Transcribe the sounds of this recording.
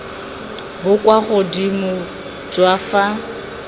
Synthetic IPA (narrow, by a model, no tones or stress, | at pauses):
bʊkʼwaχʊdimʊ | d͡ʒʼwafa